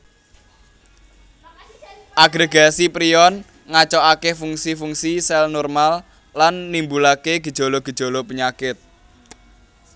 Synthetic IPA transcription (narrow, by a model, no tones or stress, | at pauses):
ʔaɡɾeɡasipɾiɔn | ŋat͡ʃɔakefuŋsifuŋsisɛlnɔrmalː | anːimbulakeɡ̥ə̤d̥ʒ̥o̤lɔɡ̥ə̤d̥ʒ̥o̤lɔpəɲakɪt̪̚